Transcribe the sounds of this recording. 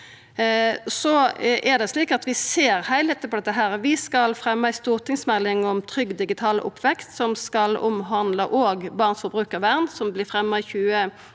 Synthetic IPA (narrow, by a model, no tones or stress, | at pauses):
sɔʔɛʁd̪ɛsliːkɑt̪ʋɪseːɾhæɪleːt̪əpʰɔd̪ɛt̪ːəɦæːʁʋɪskɑlfɾɛmːəæɪst̪uːʁt̪ʰɪŋsmɛlːɪŋɔmt̪ʰɾʏɡd̪ɪɡɪt̪ʰɑːləʔʊ̰pʰːʋɛkst̪sɔmskɑlʊ̰mɦɑnd̪ləʔoːɡbɑːʁnsfɔbʁʉːkəʁʋæʁnsɔmblɪfʁɛmːəɪçʉːə